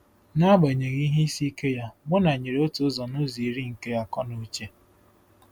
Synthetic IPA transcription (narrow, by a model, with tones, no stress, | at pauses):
na˦ɡ͡be˨ɲe˨ɣi˦ɦe˦i˦si˦ke˦ja˦bʊ˦na˨ɲe˨ɾe˨o˦tu˨˦zɔ˨no˦zi˨ɾi˦ŋ̩˨ke˦ja˦kɔ˦no˦t͡ʃe˦